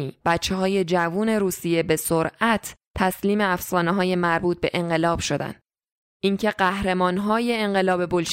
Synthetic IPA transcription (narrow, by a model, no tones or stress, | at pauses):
iːb̥æt̪t͡ʃːeɦɒːje̞d͡ʒævuːne̞ɾuːsije̞be̞soɾʔæt̪ʰːæsliːme̞æfsɒːneɦɒːje̞mæɾbuːt̪̚b̥e̞ʔeɴɢe̞lɒːb̥ʃo̞d̪æ̰nd̪̥ | ʔiŋcʰe̞ɢæhɾe̞mɒːnɦɒːje̞ːŋɢe̞lɒːbe̞bolʃ